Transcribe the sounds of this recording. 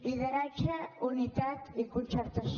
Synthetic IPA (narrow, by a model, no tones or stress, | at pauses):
iðəɾat͡ʃaunit̪at̪ikunt͡ʃəɾt̪əs